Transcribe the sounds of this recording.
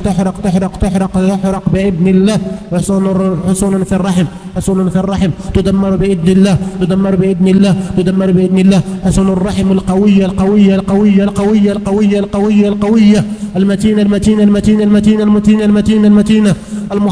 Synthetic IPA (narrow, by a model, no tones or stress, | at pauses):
t̪əħɾɑqt̪əħɾɑqt̪ʊħɾˤɑqt̪əħɾɑqbəʔɪd̪nəlːæhwsˤunħʊsunanfirˤːɑħəm | ħʊsˤunanfirˤːɑħəmt̪ʊd̪æmːɑɾbəʔɪd̪nəlːæt̪ʊd̪æmːɑɾbəʔɪd̪nəlːæːht̪ʊd̪æmːɑɾbʔɪd̪nəlːæhħʊsunʊrˤːɑħəməlqɑwəjːalqɑwəjːalqɑwəjːalqɑwəjːalqɑwəjːalqɑwəjːalqɑwəjːaəlmæt̪inalmæt̪inalmæt̪inalmæt̪inalmæt̪iːnalmæt̪inalmæt̪ina | ʔəlmʊ